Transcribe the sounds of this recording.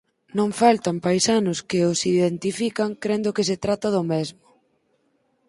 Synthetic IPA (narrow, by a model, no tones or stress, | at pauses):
nõŋfalt̪ɐmpajsanʊskɪʊsiðent̪ifikaŋkɾend̪ʊkɪs̬et̪ɾat̪ɐðʊmɛzmʊ